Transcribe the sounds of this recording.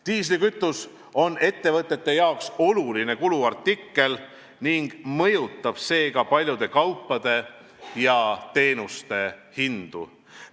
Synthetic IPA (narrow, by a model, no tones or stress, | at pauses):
t̪iːslikyt̪ːˑus | o̞ne̞t̪ːe̞vɤt̪ːˑe̞t̪ːe̞jɑokso̞luline̞kuluɑrt̪ːˑikːe̞l | niŋɡ̥mɤ̞jut̪ːˑɑb̥se̞ːɡɑpɑlʲjud̪̥e̞kɑwpːɑd̪̥e̞ | jɑt̪e̞ːnust̪e̞hind̪̥ṵ